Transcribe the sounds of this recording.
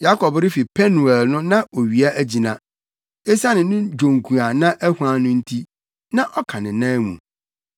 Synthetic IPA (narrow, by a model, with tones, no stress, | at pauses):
ja˦kʰɔ˨bɾɪ˦fi˨pʰɛ˦nũ˨ɛ˨lnʊ̃˦nã˦o˨ɥi˨a˦ʔæ˦d͡ʑi˨nã˨ | e˦sa˦nɪ̃˨nʊ̃˦d͡ʑõ˨ŋkʰũ˨a˨nã˦ʔæ˦hu˨˦ã˦nʊ̃˦n̩˦tʰi˦ | nã˦ʔɔ˦kʰã˨nɪ̃˨nãː˦mṵ̃˨